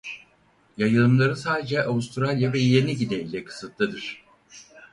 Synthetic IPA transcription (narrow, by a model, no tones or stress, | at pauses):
jajɯlˠɯmlˠaɾɯsaːd̪e̞d͡ʒɛʔavust̪ʰɾalʲjavɛjeniɟid̪eilʲɛkʰɯ̥sɯt̪lˠɯd̪ɯɾ̝̥